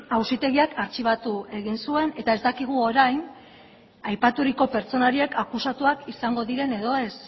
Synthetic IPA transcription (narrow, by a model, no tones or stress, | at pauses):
awsit̪e̞ɣiakʰaɾt͡ʃiβ̞at̪ue̞ɣinsue̞ne̞t̪ae̞zd̪akiɣ̞uo̞ɾajn | ajpat̪uɾiko̞pe̞ɾt͡so̞naɾie̞kakusat̪uakisaŋɡo̞ðiɾe̞ne̞ðo̞e̞s